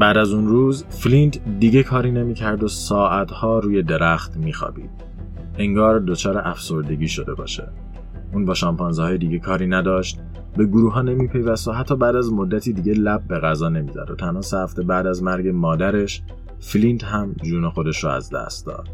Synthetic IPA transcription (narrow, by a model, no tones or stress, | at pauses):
bæːd̪æzunruːz | flint̪d̪iːɟe̞kʰɒːɾiːne̞miːcʰæɾd̪osɒːʔæt̪hɒːɾuːje̞d̪e̞ɾæxt̪miːxɒ̰ːb̥ḭːd̥̪̚ | eŋɡɒːɾd̪o̞t͡ʃʰɒːɾeʔæfso̞ɾd̪e̞ɟiːʃo̞d̪e̞̰bɒ̰ːʃḛ | ʔuːnbɒːʃɒmpɒnzhɒːjed̪iːɟe̞kʰɒːɾiːnæd̪ɒːʃt̪̚ | be̞ɡuɾuːɦɒːne̞miːpʰe̞jvæst̪oɦæt̪ʰːɒːbæːd̪æzmod̪ːæt̪ʰiːd̪iːɟe̞læb̚ːe̞ɣæzɒːne̞miːzæ̰d̪o̰t̪ʰænhɒːsehæft̪e̞bæːd̪æzmæɾɟe̞mɒːd̪æɾe̞ʃ | flint̪ɦæmd͡ʒuːnexo̞d̪e̞ʃɾoæ̰zd̪æ̰st̪̚d̪ɒ̰ːd̪̥̚